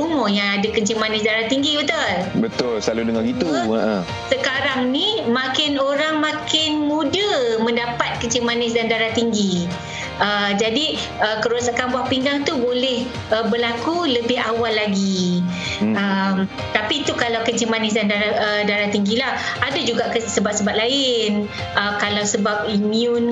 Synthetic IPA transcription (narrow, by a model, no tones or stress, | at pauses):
umõjaŋadakəɲt͡ʃimanɪs̬daɾaht̪iŋɡibət̪ʊlbət̪ʊlslaludəŋaŋit̪uəʔə̃ | səkaɾaŋnĩmãkɪnoɾaŋmãkɪnmudəmə̃ndapat̪̚kəɲt͡ʃimanɪs̬dandaɾaht̪iŋɡi | əd͡ʒadi | əkəɾasaʔkanbwahpiŋɡaŋt̪ubolɛh | əbərlakuləbɪɦawalːaɡi | əm | t̪apit̪ukalawkət͡ʃəmanɪsdandaɾaədaɾat̪iŋɡilah | adad͡ʒuɡaʔkəsəbat̪̚səbat̪̚laɪn | ʔəkalawsəbap̚imiun